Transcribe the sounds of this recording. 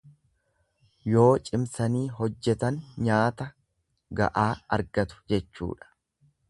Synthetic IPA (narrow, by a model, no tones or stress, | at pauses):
jo̞ːt͡ʃʼɪmsɐniːɦɔd͡ʒːɛt̪ɐnɲaːt̪ɐ | ɡɐ̰ʔaːɐɾɡɐt̪ʊ̥d͡ʒɛt͡ʃːṵːᶑɐ̥